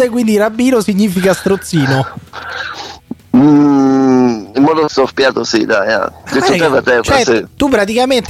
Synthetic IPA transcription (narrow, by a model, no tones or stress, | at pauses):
ekwind̪irabːiːnosiɲːiːfikast̪ɾot̪sːiːno | imːɔːd̪ost̪ofpjaːt̪osḭd̪a̰ja̰d̪eoɛrat̪ɛrt͡ʃɛsit̪upːɾat̪̬ikament̪